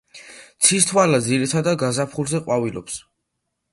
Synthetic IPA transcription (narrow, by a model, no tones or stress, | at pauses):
t̪sʰist̪ʰwalad̪ziɾit̪ʰad̪aɡazapʰχulzɛqʼwavilɔ̰ps